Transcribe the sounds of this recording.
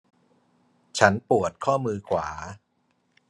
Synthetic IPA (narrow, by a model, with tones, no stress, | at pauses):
t͡ɕʰa˦˥npu˨˩ət̪̚kʰɔː˥˩mɯː˧kʰwaː˩˦